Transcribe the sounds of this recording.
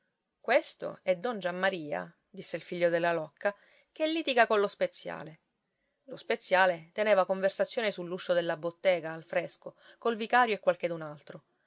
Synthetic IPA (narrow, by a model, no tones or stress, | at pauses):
kwest̪o̰ɛd̪ːɔnd͡ʒamːaɾiːa̰ | d̪isːeilfiʎːod̪elːalɔkːa | kelːiːt̪iɡakonlospet̪sːja̰ːle | lospet̪sːjaːlet̪eneːvakoɱversat̪sːjoːnesulːuʃːod̪elːabot̪ːɛːɡaːlfɾeskokolvikaːɾjoekːwalked̪unalt̪ɾo